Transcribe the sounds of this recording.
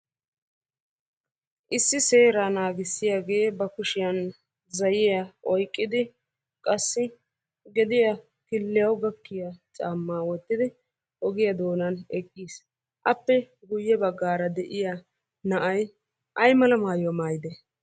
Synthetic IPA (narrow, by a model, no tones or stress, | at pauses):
ʔɪsːɪse̞ːɾanaːɡɪsːɪjaɡe̞ːbɐkʊʃɪjɐn | zɐjɪjɐʔɔjkʼːɪd̪ɪ | kʼɐsːɪ | ɡɛd̪ɪjɐ | kɪlːɪjɐwɡɐkːɪjɐt͡sʼaːmːaːwɔt̪ːɪd̪ɪ | ɔɡɪjɐd̪o̞ːnɐnɛkʼːiːs | ʔɐpːɛ | ɡʊjːɛbɐɡːaːɾɐd̪ɛʔɪja | nɐʔɐj | ʔɐjmɐlɐmaːjɔmaːjɪd̪ɛ